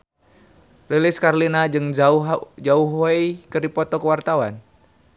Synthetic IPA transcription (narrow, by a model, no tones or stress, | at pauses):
lelɪskarlinaɨŋ | d͡ʒauɦoejkəɾipɔt̪ɔkəwart̪awan